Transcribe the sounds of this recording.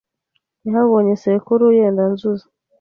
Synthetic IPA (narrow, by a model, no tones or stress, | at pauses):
jaɦaβoɲesekuɾujeːndanzuzḁ